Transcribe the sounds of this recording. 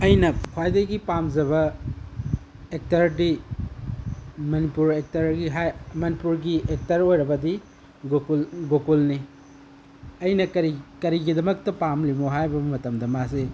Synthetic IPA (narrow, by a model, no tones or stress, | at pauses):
ɐjnɐkʰwajdɐjɡipamd͡ʒɐβɐ | ek̚tɐɾdi | mɐnipuɾek̚tɐɾɡiɦajmɐnipuɾɡiek̚tɐɾojɾɐbɐdi | ɡokulɡokulni | ɐjnɐkɐɾikɐɾiɡidɐmɐk̚tɐpamlimoɦajbɐmɐtɐmdɐmase